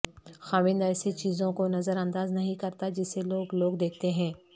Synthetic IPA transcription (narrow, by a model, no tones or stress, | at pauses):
xaːʋɪ̃nd̪ɛːset͡ʃiːzõkonɐzəɾɐ̃nd̪aːznɐɦĩkɐɾt̪ad͡ʒɪseloːɡloːɡd̪eːk̚ʰt̪eɦɛ̃ː